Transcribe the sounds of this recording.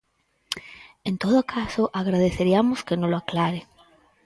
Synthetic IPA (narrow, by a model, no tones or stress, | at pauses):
ẽnt̪oðokʰasoʔaɣ̞ɾað̞eθeɾiamoskenõloaklaɾe